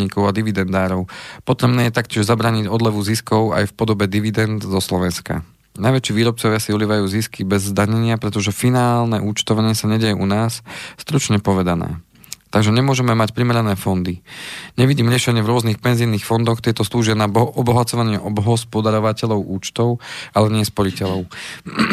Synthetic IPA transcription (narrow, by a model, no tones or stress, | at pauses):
ɲiːkɔʊad̪iʋid̪ɛnd̪aːɾɔʊpɔt̪ɾɛbnɛːjɛt̪akcɪɛʒzabɾaːɲiɟɔd̪lɛʋuziskɔʊa̰jfpɔd̪ɔbɛd̪iʋid̪ɛnd̪zɔslɔʋɛnska̰ | najʋɛt͡ʃiːʋiːɾɔp̚t͡sɔʋɪasiuliːʋajuːziskibɛzzd̪aɲɛɲɪapɾɛt̪ɔʒɛfinaːlnɛʔuːt͡ʃt̪ɔʋaɲɪɛsaɲɛɟɛjɛʔunaːsst̪ɾut͡ʃɲɛpɔʋɛd̪anɛ̰ː | t̪aɡʒɛɲɛmʊɔʒɛmɛmacpɾimɛɾanɛːfɔnd̪iɲɛʋiɟiːmɾɪɛʃɛɲɪɛvɾʊɔznixpɛnziniːxfɔnd̪ɔxt̪ɪɛt̪ɔsluːʒɪanaʔɔbɔɦat͡sɔʋaɲɪɛʔɔbɦɔspɔd̪aɾɔʋacɛʎɔʊʔuːt͡ʃt̪ɔʊʔalɛɲɪɛspɔɾicɛlɔʊ